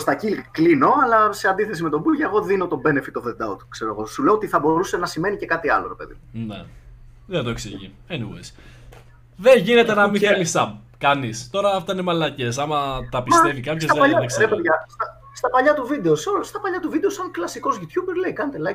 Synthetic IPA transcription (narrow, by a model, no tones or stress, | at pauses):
st̪ɐcilɣklino̞ɐlɐseɐnd̪iθe̞s̬ime̞t̪o̞buʝeɣo̞ðino̞t̪o̞be̞nefit̪ovend̪ɐot̪kse̞ɾoeɣo̞suleoot̪iθɐbo̞ɾuse̞nɐsime̞nice̞kɐt̪iɐ̰lo̞ɾepe̞̰ðḭmunḛ | ðet̪oeksḭʝḭ | enḭwḛjs | ðeʝinet̪enɐmielisɐb̚ | kɐnist̪o̞ɾɐːft̪ɐinemɐlɐce̞sɐmɐt̪ɐpist̪e̞vikɐpçosɐʎɐkseepʝɐst̪ɐ | st̪ɐpɐʎɐt̪uvid̪e̞oseolst̪ɐpɐʎɐt̪uvid̪e̞osɐŋklɐsiko̞zʝut̪çubeɾle̞ikɐnet̪elɐ